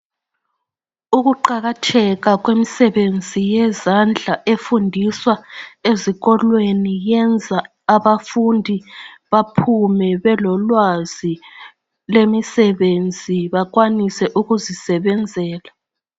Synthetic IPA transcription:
uɣuǃaɣatʰɛɣaɣwemisɛβend͡zʱijɛzand͡ɮʱaʔefundʱiswaeziɣɔlwenijɛnd͡zʱaː | βafundʱiβapʰumɛβɛlɔlwaz̥i | lemisɛβend͡zʱiβaɣwanisɛʔuɣuzisɛβɛnd͡zʱɛːla

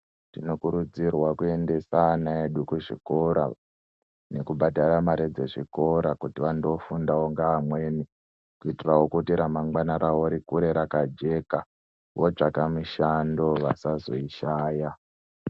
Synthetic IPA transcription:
tino̞kuɾud͡zirwakue̞nde̞sanaeɗukuʐḭko̞ɾa̰ | ne̞kubʱadʱaɾamaɾed͡ze̞ʐiko̞ɾakutiʋando̞fundaoŋɡaːmwe̞ːni | kuitirawo̞kutiɾamaŋɡwanaɾaoɾikuɾe̞ɾakad͡ʒe̞ka | wod͡ʐakamiʃando̞ʋasazo̞̰iʃaːja

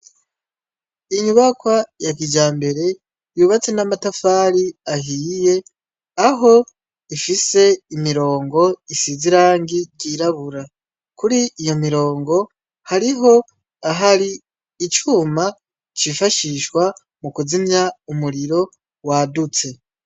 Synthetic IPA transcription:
iɲuβakwajakid͡ʒaːmbe̞ɾe̞ | juːβat͡se̞namatafaːɾiaɦiːje̞ | aɦo̞ | ifise̞imiɾo̞ːŋɡo̞isiziɾaːŋɡiɟiɾaβuɾa | kuɾiːjo̞miɾo̞ːŋɡo̞ | haɾiɦo̞ | aɦaɾiː | t͡ʃuːma | t͡ʃifaʃiʃkwa | mukuzimɲaumuɾiɾo̞ | wadut͡se̞

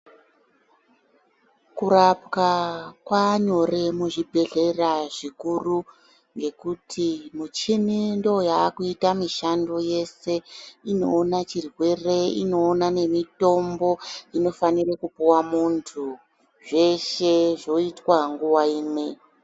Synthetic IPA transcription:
kuɾapkakwaɲo̞re̞muʐibʱe̞ɮe̞raʐikuru | ŋɡe̞kutʰimut͡ʃinindo̞jaːkuitamiʃando̞je̞se̞ino̞ːnat͡ʃirwe̞re̞ḭno̞ːnane̞mito̞mbo̞ino̞fanirekupuwamuntʰu | ʐe̞ʃe̞ʐo̞itwaŋɡuwaiːne

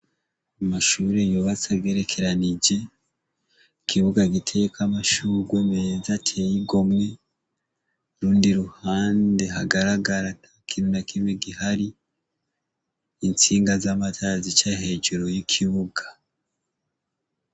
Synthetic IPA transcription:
amaʃuːɾejuβat͡saɡe̞ɾekʰe̞ɾanid͡ʒe̞ | kʰiβuɡaɡitʰe̞jekamaʃuɡwemeezatʰe̞jiɡo̞mŋe̞ | ɾuːndiɾuhaːnde̞ɦaɡaɾaɡaɾanakʰinunakimweɡihaɾi | nt͡siːŋɡazamatʰazit͡ʃahe̞d͡ʒeɾo̞jikʰiβuɡḁ

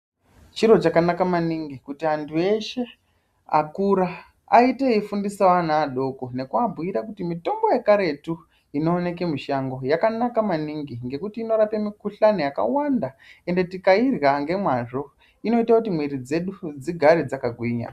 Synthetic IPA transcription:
t͡ʃiɾo̞t͡ʃakanakamaniŋɡikutiantʰue̞ʃe̞ | a̰kuɾa | a̰iteifundisawan̤aːɗo̞ko̞ne̞kuabʱuiɾakutimito̞ŋɡo̞jekaɾe̞tu | ino̞ːne̞ke̞miʃaŋɡo̞jakanakamaniŋɡiŋɡe̞kutiːno̞ɾapemikuɬanojaka̰wandae̞nde̞tikairaŋɡe̞mwaʐo̞ | ino̞itakutimwiɾid͡ze̞ɗud͡ziɡʱaɾed͡zakaɡʱwiːɲa̰

